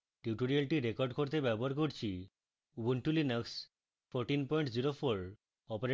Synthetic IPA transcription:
ʈuʈoɾialʈiɾekɔɾɖkoɾt̪ebɛboɦaɾkoɾt͡ɕʰi | ubuɳʈulineks | fʰoɾʈinpɔjɳʈd͡ʑiɾofʰoɾ | ɔpeɾe

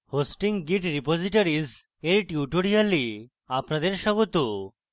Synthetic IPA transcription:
hosʈiŋɡiʈɾipod͡ʑiʈaɾiz | eɾʈuʈoɽijali | apnad̪eɾʃɔɡot̪o

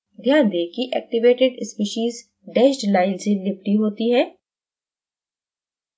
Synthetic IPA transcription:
d̪ʱjaːnd̪eːkiʔɛ̰ːk̚ʈɪʋeːʈɪɖɪspiʃiːz | ɖɛːʃʈlaːɪlselɪp̚ʈiɦoːt̪iɦɛ̃ː

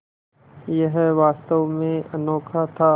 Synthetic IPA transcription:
jəɦɛʋaːst̪əʋmẽɐnɔːkʰat̪ʰaː

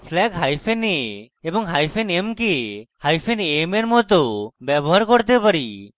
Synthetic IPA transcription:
pʰlɛɡɦajpʰene | ebɔŋɦajpʰenemkehajpʰenemeɾmɔt̪obɛbɔɦaɾkɔɾt̪epaɾi

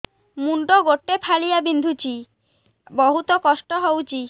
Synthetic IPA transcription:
muɳɖoɡoʈːepʰalijabind̪ʱut͡ɕi | bɔɦut̪okɔʃʈoɦowt͡ɕi

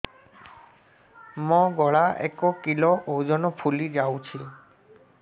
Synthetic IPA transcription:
mɔ̃ɡɔɭaḛkɔkilɔʔowd͡ʒɔnɔpʰulid͡ʒawt͡ʃʰi

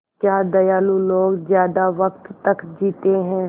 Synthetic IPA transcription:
kjaːd̪ɐjaːlũloːɡzjaːd̪aʋək̚t̪ːɐkd͡ʒiːt̪eɦɛ̃ː

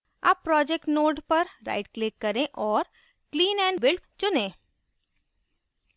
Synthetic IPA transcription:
a̰ːpːɾɔːd͡ʒekʈnoːɖpɐɾɾa̰ːɪʈklɪkːɐɾẽʔɔːɾ | kliːnɛ̃ːɳbɪlʈt͡ʃʊnẽː

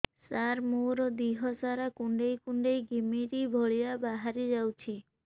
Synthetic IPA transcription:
saɾmuɾɔd̪iɦɔsaɾakuɳɖejkuɳɖejɡimiɾibʱɔɭijabaɦaɾid͡ʒawt͡ʃʰi

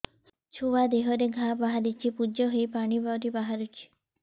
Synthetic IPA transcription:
t͡ʃʰuwad̪eɦɔɾeɡʱabaɦaɾit͡ʃʰipud͡ʒɔɦojpaɽ̃ibaɾibaɦaɾut͡ʃʰi̥

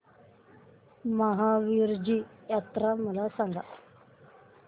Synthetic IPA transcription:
maɦãːʋiːɾd͡ʒiːjaːt̪ɾaːməlaːsãŋɡa̰ː

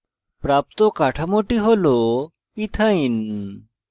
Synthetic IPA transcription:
pɾap̚t̪okaʈʰamoʈiɦolo | it̪ʰain

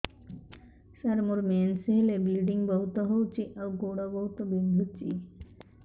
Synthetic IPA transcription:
ʃaɾmoɾmenseɦelebilɖiŋbɔɦut̪ɔɦowt͡ɕiʔawɡoɽabɔɦut̪obind̪ʱut͡ɕḭ

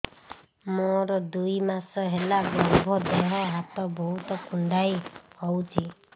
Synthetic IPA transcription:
moɾɔd̪ujmasɔɦelabɔɾbʱɔd̪eɦɔɦat̪ɔbɔɦut̪ɔkuɳɖajhɔwt͡ʃʰi

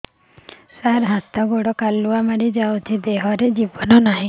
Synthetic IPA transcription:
saɾɦãt̪ɔɡoɽɔkaluamaɽid͡ʒawt̪ʰid̪eɦɔɾed͡ʒibɔnɔnaɦĩ

